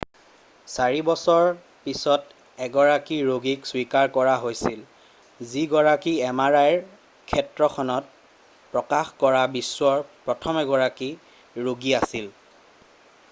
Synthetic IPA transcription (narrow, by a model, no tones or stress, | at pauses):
saɹibɔsɔɹ | pisɔt | ɛɡɔɹakiɹoɡikswikaɹkɔɹaɦojsil | ziɡɔɹakiɛmaɹajɹ | kʰɛtɹɔxʰɔnɔt̚ | pɹɔkaxkɔɹabisːwɔɹpɹɔtʰɔmɛɡɔɹaki | ɹoɡiasil